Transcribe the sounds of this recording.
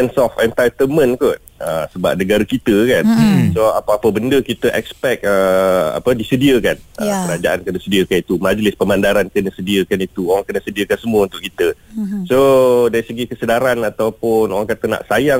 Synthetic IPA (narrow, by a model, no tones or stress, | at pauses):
ɛnsɔfɛnt̪ajt̪əmə̃nkʊt̪̚əsəba̰p̚nəɡaɾakit̪əkansoa̰paapəbəndəkit̪əʔɛkspɛk̪̚əa̰pədisədiəkanəkəɾad͡ʒaʔankənəsədiəkanit̪umad͡ʒlɪspəmandaɾankənəsədiəkanit̪uoɾaŋkənəsədiəkansəmuəunt̪ʊʔkit̪əsodaɾisəɡikəsədaɾanat̪awpʊnoɾaŋkat̪əna̰ʔsaja